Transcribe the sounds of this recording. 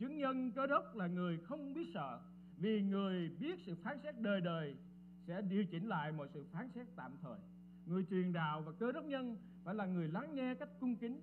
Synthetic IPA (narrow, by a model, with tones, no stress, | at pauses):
t͡ɕɨ˨˦əŋɲə˧nkəː˨˦ɗə˦˥wk͡p̚laː˨˩ŋɨ˨˩əjxə˧wŋ͡mɓi˦˥ət̚sə̰ː˧˨ | vi˨˩ŋɨ˨˩əjɓi˦˥ət̚sɨ̰˧˨faː˨˦nsɛ˦˥t̚ɗəː˨˩jɗəː˨˩j | sɛ̰˧˥ɗi˨˩əwt͡ɕï˧˩ŋ̟la̰ː˧˨jmɔ̰˧˨jsɨ̰˧˨faː˨˦nsɛ˦˥t̚t̪a̰ː˧˨mt̪ʰəː˨˩j | ŋɨ˨˩əjt͡ɕwi˨˩ənɗa̰ː˧˨wvaː˨˩kəː˨˦ɗə˦˥wk͡p̚ɲə˧n | faː˧˩jlaː˨˩ŋɨ˨˩əjla˨˦ŋŋɛ˧ka˦˥jk̟̚kʊ˧ŋ͡mkï˨˦ŋ̟